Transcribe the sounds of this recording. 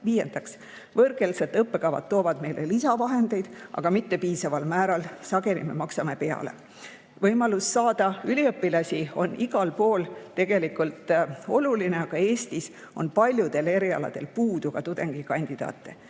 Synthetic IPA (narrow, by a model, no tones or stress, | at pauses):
viːje̞nd̪̥ɑks | vɤrɡe̞lset̪ːˑɤpːe̞kɑvɑ̰t̪ːo̞ːvɑd̪̥me̞jlʔelisɑvɑɦe̞nd̪̥e̞jd̪̥ɑ̰ɡ̥ɑmit̪ːe̞piːsɑvɑlmæːɾɑlsɑɡe̞lime̞̰mɑksɑme̞pe̞ɑ̰le̞̰ | vɤjmɑlusːɑːd̪̥ɑylʲiɤpːilɑsʲio̞̰nːʔiɡɑlpo̞ːlt̪e̞ɡ̥e̞likult̪ˑo̞̰luline̞ɑɡ̥ɑe̞ːsʲt̪is | o̞npɑlʲjud̪e̞le̞ɾiɑ̰lɑ̰d̪̥e̞̰lpuːd̪̥uɡ̥ɑt̪ud̪̥e̞ŋɡ̥ikɑnʲd̪̥id̪̥ɑ̰ːt̪ːe̞